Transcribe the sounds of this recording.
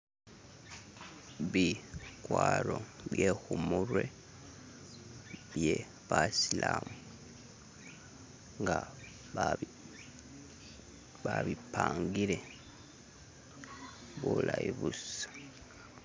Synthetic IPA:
βikwaːɾoβjehumuɾwe̞ | βje | βasilamu | ŋɡa | βaβipaːŋɡiɾe̞ | βulaiβusḁ

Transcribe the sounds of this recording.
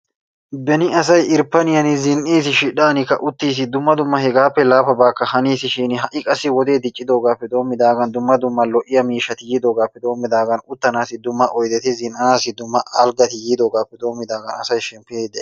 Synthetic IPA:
bɛnɪɐsɐjɪɾpːɐnɪjɐnɪzɪnʔiːs̬ɪʃɪᶑaːnɪkːɐ̰ʔʊt̪ːiːs̬ɪd̪ʊmːɐd̪ʊmːɐhɛɡaːpːɛlaːfɐbaːkːɐhɐniːsɪʃiːnɪɦɐʔɪkʼɐsːɪwɔd̪e̞ːd̪ɪt͡ʃʼːɪd̪o̞ːɡaːpːɛd̪o̞ːmːɪd̪aːɡɐnd̪ʊmːɐd̪ʊmːɐlɔʔɪjɐmiːʃːɐt̪ɪjiːd̪o̞ːɡaːpːɛd̪o̞ːmːɪd̪aːɡɐnʊt̪ːɐnaːsɪd̪ʊmːɐʔɔjd̪ɛt̪ɪzɪnʔɐnaːsɪd̪ʊmːɐʔaːlɡɐt̪ɪjiːd̪o̞ːɡaːpːɛd̪o̞ːmːɪd̪aːɡɐnɐ̰sɐjʃɛmpːɪeːd̪ɛ

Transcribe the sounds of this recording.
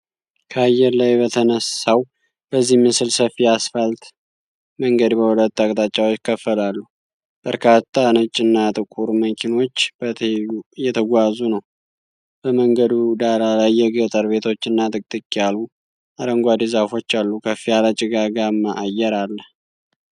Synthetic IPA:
kʰəajːɛɾlajbət̪ʰənəsaw | b̥əzːihmɨsɨlsəfiasfəlt̪ | məŋɡəd̪bəwulət̪ːakʼt̪ʼat͡ʃʼːawot͡ʃːkʰəfːəlalːu | b̥əɾkʰat̪ʰːanət͡ʃʼːɨnːat̪ʼɨkʼuɾməkʰino̞t͡ʃːb̥ət̪ʰujɛt̪ʰəɡʷazunəw | b̥əməŋɡəd̪ud̪alalajːɛɡət̪ʼəɾbe̞t̪ʰo̞t͡ʃːɨnːat̪ʼɨkʼt̪ʼɨkʼːialu | aɾəŋɡʷad̪izafo̞t͡ʃːalːukʰəfijalat͡ʃʼɪɡaɡamːaʔajɛɾalːəh

